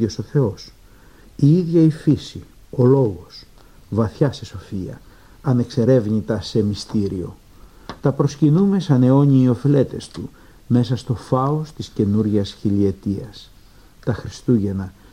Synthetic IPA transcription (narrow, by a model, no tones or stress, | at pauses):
oso̞θe̞o̞s | iiðʝɐifisi | o̞lo̞ɣo̞s | vɐθçɐse̞so̞fiɐ̰ | ɐne̞kse̞ɾe̞vɲit̪ɐse̞mist̪iɾio̞̰ | t̪ɐpɾo̞scinume̞sɐne̞o̞ɲiːo̞file̞t̪e̞st̪u | me̞sɐst̪o̞fɐo̞st̪isce̞nuɾʝɐsçilie̞t̪iɐs | t̪ɐxɾist̪uʝe̞nɐ